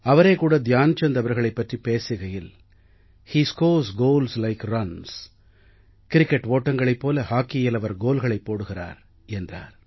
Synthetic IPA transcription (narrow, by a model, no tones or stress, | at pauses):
ɐʋɐɾeːkuːɽɐd̪jaːnt͡ʃːɐnd̪ɐʋɐɾɣɐɭɐɪpːɐʈripeːsɪɣɐjɪl | hiːskoːsɡoːlslɐɪkrɐns | kɪɾɪkːɛʈʋoːʈːɐŋɡɐɭɐɪpːoːlɐhaːkːɪjɪlɐʋɐɾɡoːlɣɐɭɐɪpːoːɽɯɣɪra̰ːɾ | ɛndra̰ːɾ